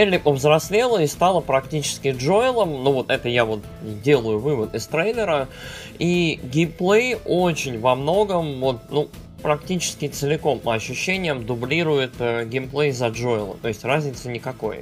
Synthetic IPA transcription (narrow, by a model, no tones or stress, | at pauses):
elʲɪpəvzɾɐsʲlʲelˠəɪst̪alˠəpɾɐktʲit͡ɕɪ̥skʲɪʐoɪlˠəmnuvo̞t̪ɛt̪əjavo̞t̪ | dʲe̞lˠəjʊvɨvət̪ɪst̪ɾejlʲɪɾə | iɡʲemplˠejo̞t͡ɕɪnʲvɐmno̞ɡəmvo̞t̪̚nu | pɾɐktʲit͡ɕɪ̥skʲɪt̪sɨlʲɪko̞mpəɐɕːʉɕːenʲɪjəmd̪ʊblʲiɾʊjɪt̪əɡʲemplˠejzɐʐo̞ɪlˠə̰t̪o̞ɪsʲtʲrazʲnʲɪt̪sənʲɪkɐko̞̰j